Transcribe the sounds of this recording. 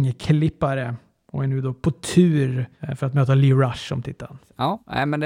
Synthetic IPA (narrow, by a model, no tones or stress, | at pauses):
ŋəkʰlɪpːaɾə | ɔ̰ɛnʉ̟ːd̪ɔpʰɔt̪ʰʉːɾfœɾat̪møːt̪aliɾaʂɔ̰mt̪ʰɪt̪ʰːa̰ln | ɑːɛ̰mɛnd̪